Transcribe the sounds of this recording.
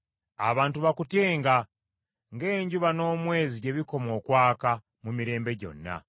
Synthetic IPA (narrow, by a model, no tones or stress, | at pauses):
a̰βaːntuβakutje̞ːŋɡa | ŋɡe̞ːɲɟuβano̞ːmwe̞ːziɟe̞βiko̞mo̞ːkwaːka | mumiɾe̞ːmbe̞ɟo̞̰nːa̰